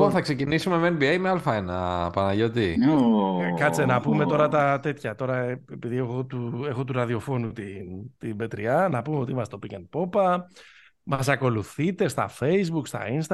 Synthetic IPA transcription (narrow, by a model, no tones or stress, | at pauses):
onθɐkse̞cinisume̞menbiejmealfɐenɐ̰pɐnɐʝo̞t̪i | kɐt͡senɐpume̞t̪o̞ɾɐt̪ɐt̪e̞t̪çɐt̪o̞ɾɐepiðiexot̪uexo̞t̪uɾɐðio̞fo̞nut̪int̪ibe̞t̪ɾiɐnɐpumeo̞t̪iimɐst̪topicenpo̞pɐ | mɐsɐko̞luθit̪e̞st̪ɐ̰fe̞jzbukst̪ɐ̰inst̪ɐ